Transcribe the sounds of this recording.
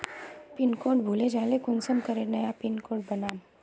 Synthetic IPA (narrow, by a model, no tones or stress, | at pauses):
pɪnkoːʈ̚bʱuled͡ʒaːlekʊnsəmkɐɾenɐjapɪnkoːɾʈ̚bɐnaːm